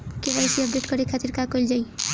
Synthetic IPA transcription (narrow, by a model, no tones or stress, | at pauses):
keʋajsiɔp̚ɖeʈkɔɾekʰat̪iɾkakojld͡ʒai